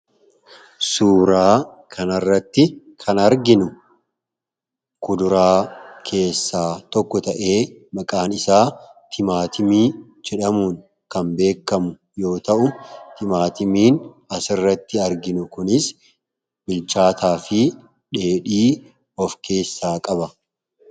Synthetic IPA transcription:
suːɾaː | kʰɐnɐrːɐt̪ːɪ | kʰɐnɐɾɡɪnʊ | kʊd̪ʊɾaːkʰe̞ːsːaːt̪ɔkːɔt̪ɐʔe̞ːmɐkʼaːnɪsaːt̪ʰɪmaːt̪ɪmiː | d͡ʒɛᶑɐmuːn | kɐmbe̞ːkːɐmʊ | jo̞ːt̪ɐʔʊt̪ɪmaːt̪ɪmiːn | ɐsɪrːɐt̪ːɪɐɾɡɪnʊkʊnɪs | bɪlt͡ʃaːt̪aːfɪ | ᶑe̞ːɗiː | ɔfkʰe̞ːsːaːkʼɐbɐ

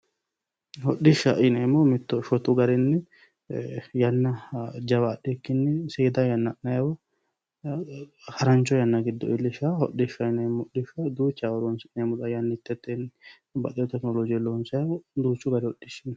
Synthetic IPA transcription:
hɔɗːɪʃːɐ̰ʔɪnemɔmɪt̪ːɔʃɔt̪ʊɡɐɾɛnːɛ | jɐnːɐd͡ʒɐwɐːɗɛkːɪnːɛseːd̪ɐjɐnːɐʔnɐjɐwɔ | hɐɾɐnt͡ʃːɔjɐnːɐɡɪd̪ːɔɪlːɪʃahɔ̰ɗːɪʃɐɪnɛmːɔɗɪʃɐd̪uːt͡ʃːawɐɾɔnsɪnemʊᶑ̪ɐjɐnːɪt̪ːɛt̪ːen | bɐʔ̪ɛjɔt̪ɛknɔlɔd͡ʒɪjɛloːnsɐjɐwd̪uːt͡ʃːʊɡɐɾɛhɔɗːɪʃɪn

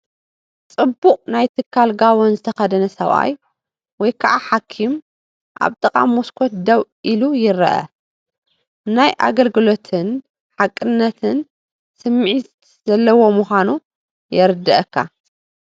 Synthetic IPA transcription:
t͡sʼɨbːuqʼnajt̪ʰɨkʰːalɡaβonzɨt̪ʰɐxɐd̪ɐnɐsɐβʔa̰j | wɔjkʰaʔaħakʰːim | ʔa̰βt̪ʼɨkʼa̰mːoskʷʰot̪̚d̪ɐwʔilujɪɾɐʔɐ̰ | najʔa̰ɡɐlɡɨlo̞t̪ʰɨn | ħakʼːɨnːɐt̪ʰɨn | sɨmːʕit̪ | z̥ɐlːɐwo̞muxanu | jɛɾɨd̪ːɐʔɐkʰːa̰

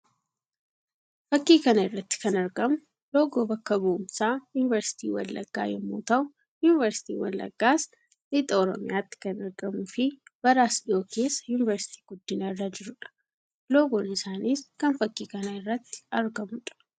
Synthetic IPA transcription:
fɐkːiːkɐnɐɪrːɐt̪ːɪ̥kɐnɐɾɡɐmʊ | loːɡoːbɐkːɐbɐʔʊmsaːjuːnɪvɐɾsɪ̥t̪ḭːwɐ̰lːɐ̰ɡːa̰ːjɛmːo̰ːt̪ɐʊ | juːnɪvɐɾsɪ̥t̪ḭːwɐ̰lːɐ̰ɡ̥ːaːs | nɪt̪ʼɐɔɾɔ̰mɪjaːt̪ːɪ̥kɐnɐɾɡɐmufɪbɐɾaːsᶑɪoːkʰe̞ːsːɐ̥junɪvɐɾsɪ̥t̪ʰi̥ːɡ̥ʊd̪ːɪnɐɪrːɐd͡ʒɪɾʊᶑɐ̥ | loːɡonɪsaːniːskɐnfɐkːiːkɐnɐɪrːɐt̪ːɪ̥ɐɾɡɐmʊᶑɐ̥

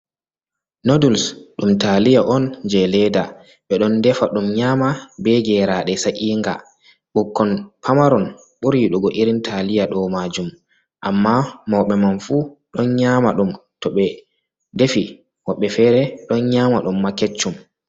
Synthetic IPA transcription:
nodulsɗumtalijaʔɔnd͡ʒɛlɛda | ɓɛɗɔndɛfaɗumɲaːmabɛɡɛɾaɗɛsaʔiːŋɡa̰ | ɓukːɔnpʰamaɾɔn | ɓuɾiɗɔɡɔʔiɾintʰalijaɗɔmad͡ʒum | ʔamːamɔwɓɛmanfuːɗɔnɲamaɗumtɔɓɛ | defi | wɔɓːɛfɛɾɛɗɔnɲaːmaɗumːakːet͡ʃːum

